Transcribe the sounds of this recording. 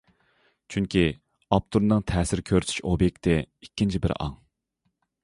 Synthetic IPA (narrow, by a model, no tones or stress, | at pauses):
t͡ʃʰyŋkʲʰi | ɑp̚t̪ʰuɾnɨŋt̪ʰɛːsɪɾkʲʰøɾt̪ʰy̥ʃobjek̚ʲt̪ɪikʲʰːint͡ʃʰibɪ̰ɾɑ̰ŋ